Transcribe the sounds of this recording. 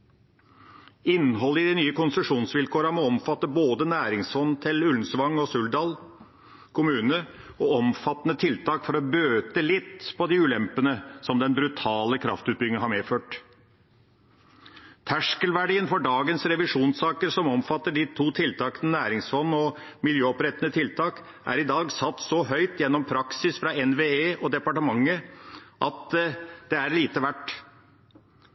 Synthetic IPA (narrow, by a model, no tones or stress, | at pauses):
ɪnːəɦɔlːəɪd̪ɪnyːəkʊnst̪ɾʉʂuːnsʋɪlkʰoːɾɑmɔɔmfɑt̪ːəboːd̪ənæːɾɪŋsfɔnːt̪ʰɪlʉln̩sʋɑŋːɔsʉld̪ɑːl | kʰʊmʉːnəɔɔmfɑt̪ːənət̪ʰɪlt̪ʰɑːkfɔɾɔbøːt̪əlɪt̪pʰɔd̪ɪʉːlɛmpənəsɔmd̪ɛnbɾʉt̪ʰɑːləkʰɾɑ̰ft̪ʉːt̪̚bʏɡɪŋəhɑɾmeːføːʈ | t̪ʰæʂkəlʋæɖiːənfɔɖɑːɡənsɾɛʋɪʂuːnsɑːkəɾsɔmɔmfɑt̪ːəɖit̪ʰuːt̪ʰɪlt̪ʰɑːkənənæːɾɪŋsfɔnːɔmɪljøːɔpɾɛt̪ənət̪ʰɪlt̪ʰɑːk | ʔæ̰ɾɪd̪ɑːɡsɑt̪ːsɔɦœʏt̪jɛnːɔmpʰɾɑksɪsfɾɑɛnʋeːeːʔɔd̪ɛpɑʈəmɑŋːəʔɑt̪d̪̥ɛæɾliːt̪əʋæʈ